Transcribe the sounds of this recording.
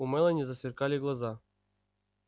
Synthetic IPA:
umɛlʲˠɛnʲizasʲvʲirkalʲiɡlˠaza

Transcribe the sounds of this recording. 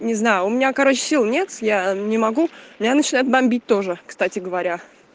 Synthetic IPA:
nʲɪznajʊʊmʲɪnʲakɐɾo̞t͡ɕɪ̥sʲilˠnʲe̞t̪janʲɪmɐɡumʲɪnʲanət͡ɕɪnajʊt̪̚bɐmʲbʲit̚ʲt̪o̞ʐɨkst̪atʲɪɡəvɐɾʲa

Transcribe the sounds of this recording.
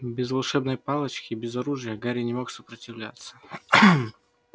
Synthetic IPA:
bʲɪzvɐlˠʂɛbnəjpalˠət͡ɕkʲɪbʲɪzɐɾuʐɨjəɡaɾʲɪnʲɪmo̞ksəpɾətʲɪvlʲa̰t̪sə̥

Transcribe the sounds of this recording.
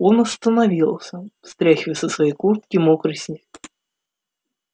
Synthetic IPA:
onɐst̪ənavʲilˠsʲəst̪ɾʲaxʲɪvəsəsvɐjejkurt̪̚kʲɪmɔkɾɨsʲnʲi

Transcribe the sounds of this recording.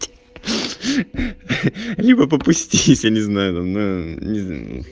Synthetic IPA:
tʲ | lʲibəp̬əpʊsʲtʲilʲɪsʲjanʲɪznajʊt̪amnonʲɪ

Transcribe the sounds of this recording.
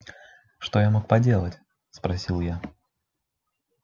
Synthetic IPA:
ʂt̪ojamokpɐdʲe̞lˠətʲ | spɾɐsʲilˠja

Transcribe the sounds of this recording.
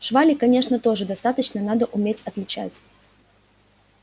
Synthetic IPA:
ʂvalʲɪkɐnʲe̞ʂnət̪o̞ʐɨd̪ɐst̪at̪ət͡ɕnənad̪əʔʊmʲetʲɐt̪lʲɪt͡ɕæ̰tʲ

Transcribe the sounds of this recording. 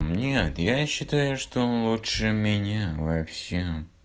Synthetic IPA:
nʲet̪jaɕːɪt̪ajʊʂt̪oonlˠutʂɨmʲɪnʲavɐfsʲem

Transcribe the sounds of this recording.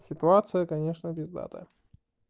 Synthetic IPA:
sʲɪt̪ʊat̪sɨjəkɐnʲeʂnəbʲɪzd̪a̰t̪ə̰

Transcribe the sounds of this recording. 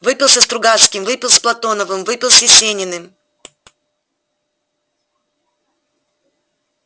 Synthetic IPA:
vɨpʲɪlˠsʲəst̪ɾʊɡaskʲɪmvɨpʲɪlˠsplˠɐt̪o̞nəvɨmvɨpʲɪlˠsʲɪsʲenʲɪnɨm

